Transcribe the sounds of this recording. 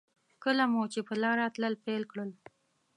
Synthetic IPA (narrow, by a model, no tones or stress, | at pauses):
kəlamot͡ʃepəlɑɾɑt̪ləlpelkɽəl